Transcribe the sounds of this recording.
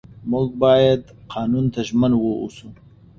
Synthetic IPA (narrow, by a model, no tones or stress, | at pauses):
mʊlɡ̚bɑːjad̪qʰɑːnunt̪ʰaʒmanwoṵsu